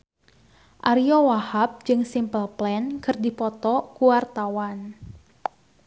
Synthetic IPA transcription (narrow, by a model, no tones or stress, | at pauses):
ʔaɾiɔwahap̚d͡ʒɨŋsimpəlplɛnkɨrdipɔt̪ɔkuwart̪awan